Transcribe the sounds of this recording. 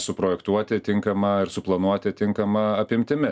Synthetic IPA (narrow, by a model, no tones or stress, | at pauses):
sʊpɾoːjɛkt̪uɔt̪ʲɪt̪ʲɪŋkɐmɐɪɾsʊplˠɐnuɔt̪ʲɪt̪ʲɪŋkɐmɐɐpʲɪmʲt̪ʲɪmʲɪ